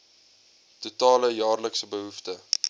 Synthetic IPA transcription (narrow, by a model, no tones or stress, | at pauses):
tutɑːləjɑːrləksəbəɦuftə